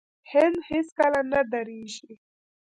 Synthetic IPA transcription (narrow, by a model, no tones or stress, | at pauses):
hɪnd̪hiskalanad̪aɾiʒi